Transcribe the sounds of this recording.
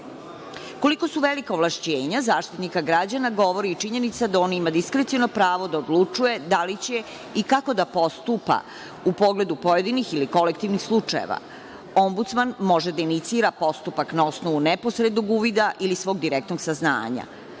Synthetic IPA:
ko̞liko̞suʋelikaoʋlaʃt͡ɕeːɲazaːʃt̪it̪nikaɡɾad͡ʑanaɡo̞ʋoɾiːt͡ʂiɲe̞nit̪sad̪ao̞ːnimad̪iskɾet̪iono̞pɾaːʋo̞d̪aod̪lˠut͡ʂuje̞d̪alit͡ɕe̞ | ikako̞d̪apo̞st̪upa̰ | upo̞ɡle̞d̪upo̞je̞d̪inixiliko̞lek̚t̪iʋnixslˠut͡ʂajḛʋa̰ | o̞mbut̪smanmo̞ʒed̪ainit̪siːɾapo̞st̪upaknao̞sno̞ʋunepo̞sɾed̪noɡuʋid̪aʔilisʋo̞ːɡ̚d̪iɾek̚t̪noɡsazna̰ːɲa̰

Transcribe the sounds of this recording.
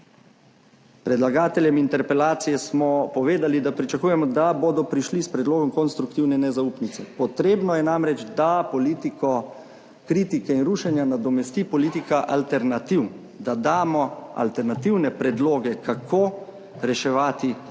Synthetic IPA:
pɾɛd̪laɡaːt̪ɛljɛmint̪ɛɾpɛlaːt̪sijɛsmɔpɔʋeːd̪alid̪apɾit͡ʃakuːjɛmɔd̪aboːd̪ɔpɾiʃlispɾɛd̪loːɡɔmkɔnst̪ɾukt̪iwnɛnɛzaupnit̪sɛpɔt̪ɾeːbnɔjɛnamɾɛd͡ʒd̪apɔliːt̪ikɔ | kɾiːt̪ikɛinɾuːʃɛnjanad̪ɔmɛst̪ipɔliːt̪ikaʔalt̪ɛɾnat̪iw | d̪ad̪aːmɔa̰lt̪ɛɾnat̪iwnɛpɾɛd̪loːɡɛkakʰoː | ɾɛʃɛʋaːt̪i

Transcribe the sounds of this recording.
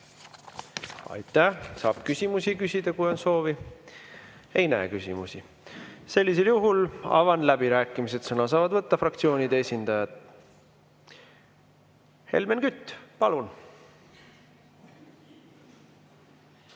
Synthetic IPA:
ɑ̰jt̪ˑːæhsɑ̰ːb̥kysʲimusikysʲid̪ɑkujo̞nso̞ːvi | e̞jnæekysʲimusi | se̞lʲːis̬e̞ljuɦulɑ̰vɑnlæb̥iɾæːkːˑimis̬e̞d̪sɤnɑs̬ɑːvɑd̪vɤt̪ːɑfrɑkt̪sio̞ːnid̪eesʲind̪̥ɑjɑd̪̥ | he̞̰lmenkyt̪ːˑpɑlun

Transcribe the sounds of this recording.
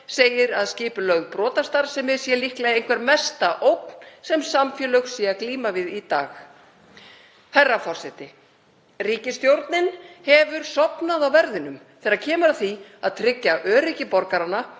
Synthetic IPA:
seːjɪɾaðscɪːpʏlœɣpɾɔːt̪ast̪aɾ̥sɛmɛɾ̥sjɛlihklɛðejn̥kʰvɛɾmɛst̪aʔowk̚n̥sɛmsamfjɛlœxsiːakliːmavɪðit̪aːx | hajrːafɔr̥sɛt̪ɪ | riːcɪst̪jowɾt̪nɪnhɛvʏɾ̥sɔpnaðawvɛɾðɪnʏmθɛːɾaɾcʰɛːmʏɾaθviaðt̪ʰɾɪcːaʔœːɾɪcɪpɔɾkaɾanːa

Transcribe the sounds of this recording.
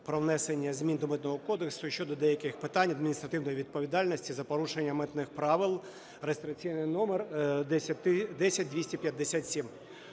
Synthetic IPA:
pɾɔwnɛsenʲːɐzʲmʲind̪ɔmɪt̪nɔɦɔkɔd̪eksʊʃʲt͡ʃɔd̪ɔd̪ɛjɐkɪxpɪt̪ɑnʲɐd̪mʲinʲist̪ɾɐt̪ɪwnɔjiʋʲid̪̚pɔʋʲid̪ɑlʲnɔsʲtʲizɐpɔɾuʃenʲːɐmɛt̪nɪxpɾɑʋɪlˠ | rest̪ɾɪk̚t͡sʲijnɪjnɔmɛrd̪ɛsʲɐt̪ɪd̪ɛsʲɐt̚ʲd̪ʋʲisʲtʲipʲjɐd̪ːesʲat̪ʲsʲim

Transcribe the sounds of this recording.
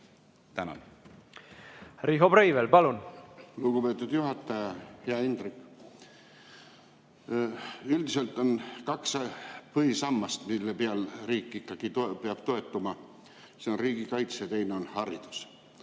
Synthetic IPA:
t̪ænɑ̰n | riɦobɾejvelpɑlunluɡ̥upe̞ːt̪ːˑud̪̥juɦɑt̪ːˑɑjɑheɑind̪rikːˑ | yld̪ise̞lt̪ːˑo̞nkɑkspɤhisɑmːɑst̪milːepeɑlriːkːˑikːˑɑɡ̥it̪peɑb̥t̪o̞e̞t̪ːˑumɑ | seo̞nriːɡ̥ikɑjt̪set̪e̞jneo̞nhɑɾid̪̥u̥s

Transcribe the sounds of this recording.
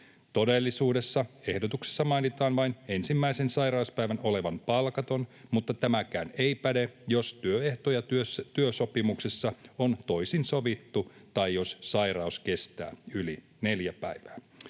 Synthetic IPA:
t̪o̞de̞lːisuːde̞sːɑe̞hdot̪ukse̥sːɑmɑjnit̪ɑːnʋɑine̞nsimːæisensɑjɾɑuspæjʋæno̞le̞ʋɑnpɑlkɑt̪o̞nmut̪ːɑt̪æmækæːneipædejo̞st̪yøeht̪ojɑøt̪yøso̞pimuksesːɑont̪o̞jsinsoʋit̪ːut̪ɑjjo̞ssɑiɾɑuske̞st̪æ̰ːyli | ne̞ljæpæiʋæː

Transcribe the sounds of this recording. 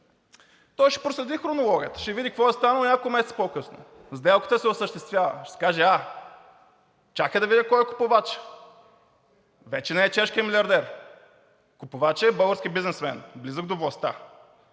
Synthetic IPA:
t̪ɔjʃɛ̥pɾoslɛd̪ixɾonolˠɔɡʲiət̪ə̥ʃɛvid̪ikɐkvɔɛst̪anəlˠnʲakkˠmɛsɛt̪pokɤsno̰ | zd̪ɛlˠkə̥t̪əsɛʊsəʃt̪ɛst̪vʲjavə̰ʃɛsɛ̥kaʒɛa | t͡ʃaxɛd̪ɐvid̪ʲəkɔjɛkʊ̥povat͡ʃ | vɛt͡ʃɛnɛːt͡ʃɛʃkʲijəmilʲiɐɾd̪ɛɾ | kʊpovat͡ʃɛbɤlˠɡəɾskʲibiznɛsmɛ̰nblizəɡd̪ovlˠɐst̪a̰

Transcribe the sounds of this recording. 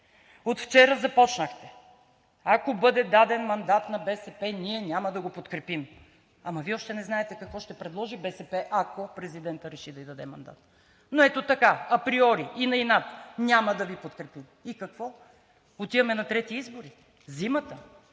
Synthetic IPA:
ot̪ft͡ʃɛɾəzɐpɔt͡ʃnəxt̪ɛ | akobɤd̪ɛd̪ad̪ɛnmɐnd̪at̪nɐbɛsɛpɛniɛnʲaməd̪ɐɡopot̪kɾɛpim | ɐmɐviɔʃt̪ɛnɛznaɛt̪ɛkɐkvɔʃt̪ɛpɾɛd̪lˠɔʒibɛsɛpɛʔɐkopɾɛzid̪ɛnt̪əɾɛʃid̪ɐid̪ɐd̪ɛmɐ̰nd̪a̰t̪ | noɛt̪ot̪ɐkaɐpɾiɔɾiinɐinat̪nʲaməd̪ɐvipot̪kɾɛpimikɐkvɔ | ot̪ivɐmɛnɐt̪ɾɛt̪iizboɾi | zimɐt̪ə

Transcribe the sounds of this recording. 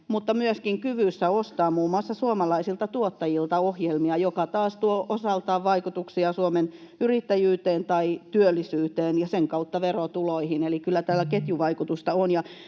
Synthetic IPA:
mut̪ːɑmyøskiŋkyʋysːæost̪ɑːmuːmoɑsːɑsuomɑlɑisilt̪ɑt̪uot̪ːɑjilt̪ɑohjelmiɑjokɑt̪ɑːst̪uoʔosɑlt̪ɑːʋʋɑikut̪uksiɑsuomenyrit̪ːæjyːt̪eːnt̪ɑit̪yølːisyːt̪eːnjɑseŋkɑut̪ːɑʋerot̪uloihinelikylːˑæt̪æːlæket̪juʋɑikut̪ust̪ɑonjɑ

